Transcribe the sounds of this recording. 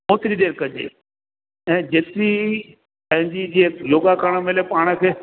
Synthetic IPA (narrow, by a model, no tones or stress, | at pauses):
moːt̪ɪɾiɗeːɾkɐd͡ʑḛː | ɛ̃ːd͡ʑeːt̪ɪɾi | pɐ̃ɦɪ̃ɲd͡ʑid͡ʑijoːɡakaːɽ̃əmeːlepaːɽ̃ə̆kʰeː